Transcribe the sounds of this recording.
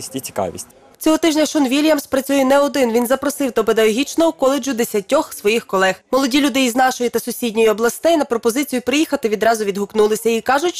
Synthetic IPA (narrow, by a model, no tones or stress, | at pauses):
sʲtʲit͡sʲi̥kɑ̰ʋʲḭsʲtʲ | t͡sʲɔɦɔt̪ɪʒnʲɐʃɔnʋʲilʲjɐmspɾɐt͡sʲujɛnɛɔd̪ɪnʋʲinzɐpɾɔsɪwt̪ɔped̪ɐlɔɦʲit͡ʃnɔʊkɔlˠed͡ʒʊd̪esʲɐtʲɔxsʋɔjixkɔlˠɛxmɔlˠɔdʲilʲud̪ɪjizn̪ɑʃɔjit̪ɐsʊsʲidʲnʲɔjʊɔblˠɐst̪ɛjnɐpɾɔpɔzɪt͡sʲijʊpɾɪjixɐt̪ɪʋʲid̪ɾɑzʊʋʲid̪ɦʊknulˠɪsʲɐikɑʒʊtʲ